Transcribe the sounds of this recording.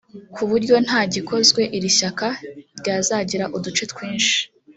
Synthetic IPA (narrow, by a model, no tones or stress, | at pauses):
kuβuɾɟo̞n̥haːɟikʰo̞zɡwe̞ʔiɾiçakaɾɟaːzaɟiɾaʔudut͡ʃe̞t̪kwiːnʃi̥